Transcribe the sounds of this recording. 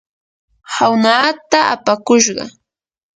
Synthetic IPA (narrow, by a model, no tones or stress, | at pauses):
hawnaːt̪aa̰pakʊʃɢɑ̰